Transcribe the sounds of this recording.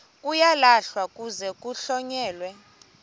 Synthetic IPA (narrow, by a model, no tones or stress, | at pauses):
kʼujalaɬwakʼuzɛkʼuɬɔɲɛːlwɛ